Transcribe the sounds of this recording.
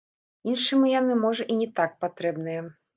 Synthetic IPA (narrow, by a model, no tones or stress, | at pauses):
inʂɨmɨjanɨmɔʐɐʔinʲɛt̪ak̚pat̪ɾɛbnɨjɛ